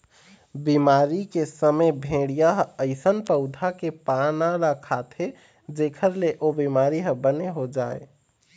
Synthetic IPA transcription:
bimaːɾikesəməjbʱẽːɽijaɦəɪsənpəʊd̪ʱakepanaɾəkʰat̪ʰe | d͡ʒeːkʰəɾleʔobimaːɾiɦəbəneɦod͡ʒaːḛ

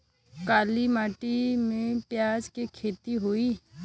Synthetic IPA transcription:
kaːlimaːʈimẽpjaːd͡ʒkekʰeːt̪iɦoːiː

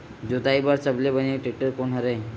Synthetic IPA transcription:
d͡ʒot̪aibaɾsəblebəneʈɾiʈəɾkonɦəɾe

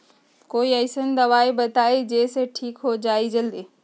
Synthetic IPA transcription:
koːiɐɪsənɪ̆d̪ɐʋaːibɐt̪aːed͡ʑeːseʈʰiːkɦod͡ʑaːid͡ʑɐld̪eː

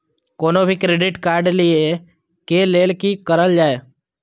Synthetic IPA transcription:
koːnobʱikɾeːɖɪʈkaːɾɖlie | keleːlkikəɾəld͡ʒaːeː

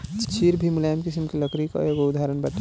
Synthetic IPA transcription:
t͡ʃʰiːɾbʱimulaːmkisəmkiləkɾikɔ̰joɡoʊd̪ʱaːɾənbɐʈː

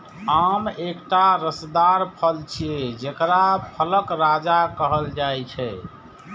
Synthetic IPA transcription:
amekʈaɾəsd̪aɾpʰəlt͡ʃʰijed͡ʒekɾapʰələkɾad͡ʒakəɦəld͡ʒajt͡ʃʰɛ

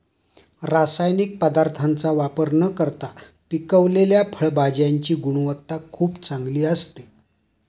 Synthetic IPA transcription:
ɾasajnik̚pəd̪aɾt̪ʰant͡saʋapəɾnəkəɾt̪a | pikəʋleljapʰəɭbad͡ʑjaɲt͡ɕiːɡuɽ̃ʋət̪ːakʰuːpt͡saŋɡliːəst̪e̥

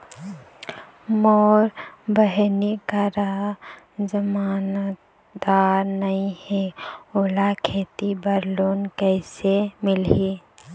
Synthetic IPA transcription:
mɔːɾbəɦnikaɾa | d͡ʒəmaːn | d̪aːɾnəĩhɛolakʰeːt̪ibəɾluːnkɛɪsemɪli

